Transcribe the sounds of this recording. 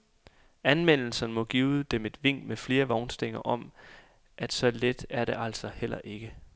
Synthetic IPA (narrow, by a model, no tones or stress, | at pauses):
ænmen̰l̩sɐnəmɒ̽ɡ̥iːʊd̥eme̝d̥ʋe̝ŋ̰̥mefle̝ːɐʋɒʊnsd̥e̝ŋ̰ɐʔɒ̽m | ʔæd̥sɒ̽led̥æɐɾeʔæl̰sɒ̽hel̰ɐ̰ʔe̝ɡ̥ə